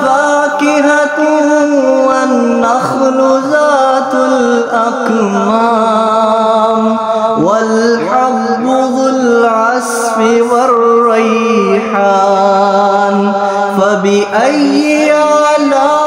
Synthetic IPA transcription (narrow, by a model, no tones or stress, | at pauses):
faːkɪɦat̪ʊ | wanːaxlʊzaːt̪alʔak | ma | m | walħɑf | ɨðˤɪlʕas | fɪwɐrːijħaː | n | fabɪʔajːɪalaː